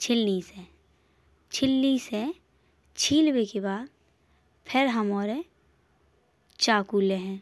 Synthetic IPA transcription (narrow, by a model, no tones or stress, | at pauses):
t͡ʃʰɪlnise | t͡ʃʰɪlnise | t͡ʃʰiːlwekebaːd̪̚ | pʰɪɾɦəmɔːɾe | t͡ʃaːkuːleɦɛ̃ː